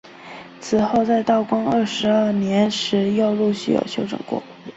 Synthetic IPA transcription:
t͡sʰɹ̩˨˩xo˥˧ʊt͡sa˥˧ɪt̪ɑ˥˩ʊkwɑ˥ŋə˥˩ʂɻ̩˧˥ə˥˩njɛ˧˥nʂɻ̩˧˥jɑ˥˧ʊlu˥˧ɕy˥˩jo̰˨˩ʊɕjo˥˩ʊʈ͡ʂə̰˨˩ŋkwɔ̰˥˩

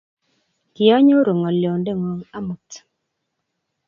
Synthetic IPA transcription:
kɪ˨ɔ˦ɲo˦ɾo˨ŋɔ˨ljo˨nde˦˨ŋo˨ŋa˦mu˨t

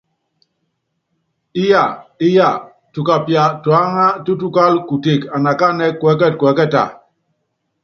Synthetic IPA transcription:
i˦ja˦˨i˦ja˦˨ | tu˨ka˨pja˨twa˦ŋa˦tu˦tu˦ka˦lku˨te˨ka˨na˨ka˦nɛ˦kwɛ˨˦kɛ˦t̚kwɛ˨˦kɛ˦˨ta̰˨

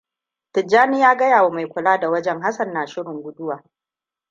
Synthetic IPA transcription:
tɪ˨d͡ʒːaː˦ni˦jaː˦ɡɐ˦jaː˨woː˨ma˨jkʷʊ˨laː˦da˨wɐ˦d͡ʒɛ˦ŋɦa˦sɐ˨nːaː˨ʃɪ˦ɽɪ˨ŋɡʷʊ˦dʊ˦waː˨

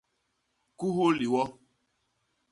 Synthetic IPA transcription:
ku˦ɦu˦li˨wɔ˦

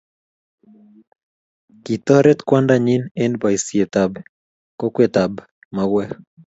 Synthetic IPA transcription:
ki˨t̪ɔ˦ɾɛ˦t̪kwandaɲi˦nendba˨isie˨t̪a˨b | ko˦kwe˨t̪a˨b | maɡwɛ˦

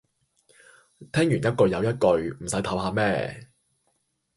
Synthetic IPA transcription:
t̪ʰɛː˥ŋjyː˨˩njɐ˥t̚kɵ˧ɥjɐ˨˧wjɐ˥t̚kɵ˧ɥm̩˨˩sɐ˨˥jt̪ʰɐ˨˥wɦaː˨˧mɛː˥

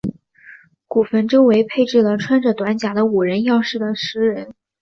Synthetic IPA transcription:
ku˨˩fə˧˥nʈ͡ʂo˥ʊwe˧˥ɪpʰe˥˧ɪʈ͡ʂɻ̩˥˩lə˩ʈ͡ʂʰwa˥nʈ͡ʂɤ˨˩t̪wa˧˥nt͡ɕja˧˥d̪ə˧u˨˩ɻə˧˥njɑ˥˧ʊʂɻ̩˥˩d̪ə˩ʂɻ̩˧˥ɻə˧˥n

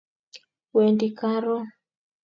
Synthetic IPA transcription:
wɛ˨ndi˨ka˦ɾɔ˦

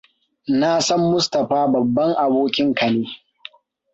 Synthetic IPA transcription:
naː˦˨sɐ˦mːʊ˦stɐ˨ɸaː˦bɐ˨bːɐ˦ŋʔa˨boː˦kʲɪ˦ŋkɐ˨neː˦

